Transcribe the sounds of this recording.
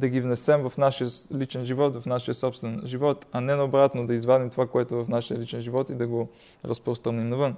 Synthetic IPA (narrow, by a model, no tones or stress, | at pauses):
d̪ɐɡivnɛsɛmvɐfnaʃijəlit͡ʃɛnʒivɔt̪vɐfnaʃijəsɔpst̪vɛnʒivɔt̪ɐnɛnɐobɾat̪nod̪ɐizvanimt̪ovakoɛt̪ovɐfnaʃijəlit͡ʃɛnʒivɔt̪id̪ɐɡo | ɾɐspɾost̪ɾɐnimnɐvɤn